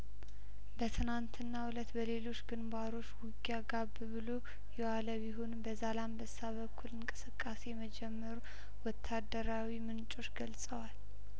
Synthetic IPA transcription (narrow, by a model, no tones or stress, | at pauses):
bət̪ʰɨnant̪ʰɨnːaulət̪bəle̞lo̞t͡ʃːɡɨnbaɾo̞t͡ʃːwʊɡjaɡabɨβɨlo | jɛwaləβiɦonbəzalambəsaβəkʰːulɨŋkʼɨsɨkʼːase̞jɛməd͡ʒɛmːəɾu | wɔt̪ʰːad̪əɾawimɨnt͡ʃʼo̞t͡ʃːɡəlsʼəwal